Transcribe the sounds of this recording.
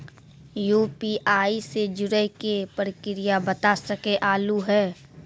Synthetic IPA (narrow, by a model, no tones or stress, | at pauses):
juːpiʔaːised͡ʒʊɾəkepəɾɪkɪɾɪjabət̪asəkeʔaːluɦɛː